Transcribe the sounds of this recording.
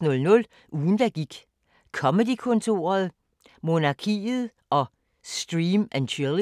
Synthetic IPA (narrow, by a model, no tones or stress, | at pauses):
nɔ̽lnɔ̽l | ʔuːn̩d̥æɡ̥iɡ̥ | kʰɒ̽mədikʰɔ̽nt͡sʰo̝̰ːɐð̩ˠ | mo̝nɑ̈kʰḭːð̩ˠ | ʔɒ̽ | sd̥ʁiːmænt͡ɕʰylˠ